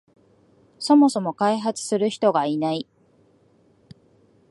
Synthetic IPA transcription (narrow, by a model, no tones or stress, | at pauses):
so̞mo̞so̞mo̞kaiɦat͡sɨ̥sɨɾɯ̟çi̥t̪o̞ɡainai